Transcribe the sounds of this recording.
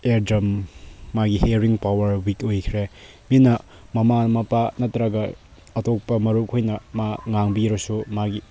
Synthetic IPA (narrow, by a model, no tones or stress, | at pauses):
eɾdɾɐmːaɡiheɾiŋpawɐɾwikojkʰɾe | minɐ | mɐmamɐpanɐtɾaɡɐ | ɐtok̚pɐmɐɾukʰojnɐmaŋaŋbiɾɐsumaɡi